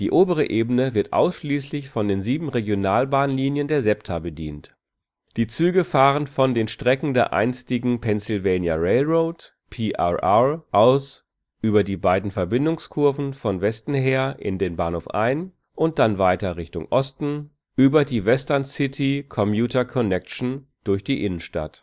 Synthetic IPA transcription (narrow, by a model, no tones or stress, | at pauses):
d̥iːʔoːbəʁ̞əʔeːbənəvɪɐtʔa̰ʊsʃliːslɪçfɔndeːnziːbm̩ʁeɡjonaːlbaːnliːnjəndeːɐzɛptʰabədiːnt | d̥iːt͡syːɡəfaːʁ̞ənfɔndeːnʃtʁ̥ɛkŋ̩deːɐʔa̰ɪnstɪɡŋ̩pʰɛnsɪlveːnjaʁeɪlʁoʊt | pʰiːʔa̰ʔaʔaʊs | ʔyːbɐdiːbaɪdn̩fɛɐbɪndʊŋskʰʊɐvn̩fɔnvɛstn̩ɦeːɐʔɪ̰ndeːnbaːnhoːfʔa̰ɪn | ʔʊnt̚d̥anvaɪtɐʁɪçtʊŋʔɔstn̩ | ʔyːbɐdiːvɛstɐnsɪtʰikʰɔmjuːtɐkʰɔnɛkʃn̩d̥ʊɐçd̥iːʔɪnənʃta̰t